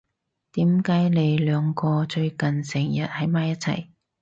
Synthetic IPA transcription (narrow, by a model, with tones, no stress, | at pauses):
t̪iː˨˥mkaː˨˥jne˨˧jlœː˨˧ŋkɔː˧t͡ʃɵ˧ɥkɐ˨nsɪ˨˩ŋjɐ˨t̚hɐ˨˥jmaː˨˧jɐ˥t̚t͡sʰɐ̰˨˩j